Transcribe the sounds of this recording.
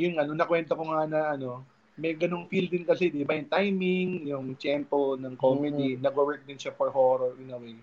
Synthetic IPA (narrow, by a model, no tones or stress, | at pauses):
jʊŋɐnonɐkwɛnt̪okoŋanɐʔɐno̞ | mɐjɡɐno̞ŋfild̪ɪnkɐsɛd̪ɪbajʊŋt̪ajmɪŋjʊŋt͡ʃɛmponɐŋkomɛd̪inɐɡowɛɹk̚d̪ɪnʃafoɹhoɾoɹʔɪnɐwej